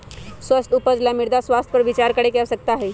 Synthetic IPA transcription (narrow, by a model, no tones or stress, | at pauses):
swəst̪ʊpəd͡ʒlamɪɾd̪aswaːst̪̚ʰpəɾʋɪt͡ʃaːɾkəɽekɛsɐk̚t̪aɦɛː